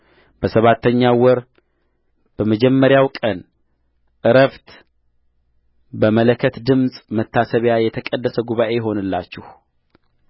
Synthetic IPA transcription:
b̥əsəβat̪ːəɲːawɔɾ | b̥əməd͡ʒɛmːəɾjawkʼən | ʔɨɾəft̪ | bəmələkʰːət̪d̪ɨmsʼmət̪ʰːasəβjajɛt̪ʰəkʼəd̪ːəsəɡuβaʔe̞jɛɦo̞nɨlːa̰t͡ʃːɪh

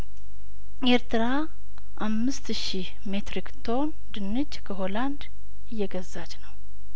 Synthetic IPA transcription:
e̞ɾt̪ʰɨɾa | ʔamːɨst̪ʃih | me̞t̪ɾikt̪ʰo̞n | d̪ɨnːɨd͡ʒkʰəɦo̞land̪ | ɨjːɛɡəzːat͡ʃnəw

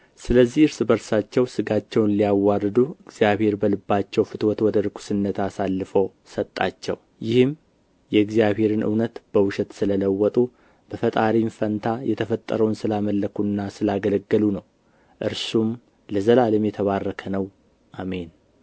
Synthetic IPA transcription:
sɨləzːihɨɾsbəɾsat͡ʃːɛwsɨɡat͡ʃːɛwnlijawːarɨd̪uɨɡz̥jaβhe̞ɾbəlɨbːat͡ʃːɛwfɨt̪wɔt̪wɔd̪əɾɨkʰu̥sɨnːət̪asalːɨfo | sət̪ʼːat͡ʃːɛ̰w | jɪhɨm | jɛɨɡzijaβhe̞ɾɨnʔɨ̰wnət̪b̥əwʊʃɛt̪sɨlələwːɔt̪ʼu | b̥əfət̪ʼaɾinfənt̪ʰajɛt̪ʰəfət̪ʼːə̰ɾəwnsɨlaməlːəkʰunːasɨlaɡələɡːəlunəw | ʔɨɾsum | ləzəlaləmjɛt̪ʰəβarːəkʰənəw | ʔame̞n

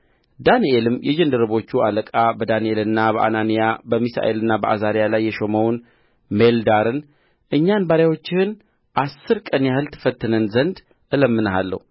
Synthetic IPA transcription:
d̪anielɨmjɛd͡ʒɛnd̪ɨɾɨβo̞t͡ʃːualəkʼabəd̪anielɨnːabəʔa̰nanijabəmisa̰ʔelɨnːabəʔazaɾijalajːɛʃo̞məwn | meld̪aɾɨn | ʔɨɲːanbaɾjawo̞t͡ʃːɪhɨn | ʔasːɨɾkʼənjahɨlt̪ʰɨ̥fət̪ːɨnənzənd̪ | ʔɨləmːɨnəɦalːə̰hu

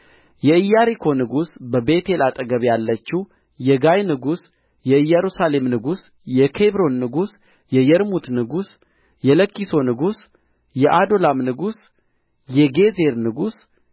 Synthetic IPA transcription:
jɛɨjːaɾikʰo̞nɨɡusbəbe̞t̪ʰe̞lat̪ʼəɡəβjalːət͡ʃːi | jɛɡajnɨɡus | jɛɨjːɛɾusale̞mnɨɡus | jɛkʰe̞βɾo̞nːɨɡus | jɛjɛɾmut̪nɨɡus | jɛləkːiso̞nɨɡus | jɛʔad̪o̞lamnɨɡus | jɛɡe̞ze̞ɾnɨɡus

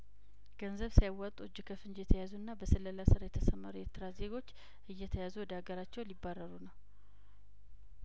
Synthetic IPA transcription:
ɡ̥ənzəβsijawːat̪ʼud͡ʒɪkʰəfɨnd͡ʒjɛt̪ʰəjazuɨnːabəsɨlːəlasɨɾajɛt̪ʰəsəmaɾueɾt̪ʰɨɾaze̞ɡo̞t͡ʃː | ʔɨjːɛt̪ʰəjazuwɔd̪aɡəɾat͡ʃːɛwlibːarːəɾunəw

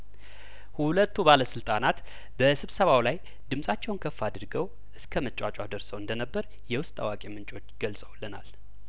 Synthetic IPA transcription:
hulət̪ːubaləsɨlt̪ʼanat̪ | bəsɨβsəβawlaj | d̪ɨmsʼat͡ʃːɛwnkʰəfːad̪ɨɾɡəw | ʔɨskʰəmət͡ʃʼat͡ʃʼwad̪əɾsəwɨnd̪ənəbːəɾ | jɛwʊst̪ʼa̰wakʼemɨnt͡ʃʼo̞t͡ʃːɡ̥əlsʼəwləna̰l

